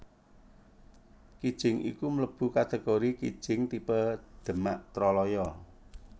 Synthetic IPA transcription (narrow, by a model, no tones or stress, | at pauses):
kid̥ʒ̥ɪŋʔḭkumələb̥ṳkat̪eɡ̥oɾikḭd̥ʒ̥ɪŋt̪ipəd̪̥ə̤ma̰ʔt̪ɾɔlɔjɔ